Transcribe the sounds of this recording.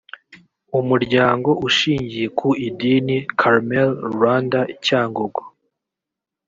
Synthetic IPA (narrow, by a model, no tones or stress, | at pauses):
umuɾɟaːŋɡo̞ʔuʃiːɲɟije̞kʰuidinikʰaɾmelwaːndaicaːŋɡoɡo